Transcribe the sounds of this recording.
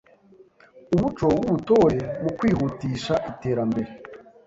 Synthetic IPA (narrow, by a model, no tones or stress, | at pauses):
uβut͡ʃo̞bɡuβuto̞ɾemukwiːhutiːʃaʔite̞ːɾambe̞ɾe